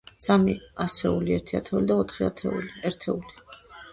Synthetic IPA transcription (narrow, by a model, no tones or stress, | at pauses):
samiasɛuliɛɾt̪ʰia̰t̪ʰɛulid̪aɔt̪ʰχia̰t̪ʰɛ̰uliɛɾt̪ʰɛuli